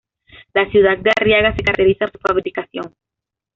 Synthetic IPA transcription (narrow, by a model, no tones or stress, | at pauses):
lasjuð̞ad̪̚darjaɣasekaɾeɾiθansu̥faβɾikaθjoŋ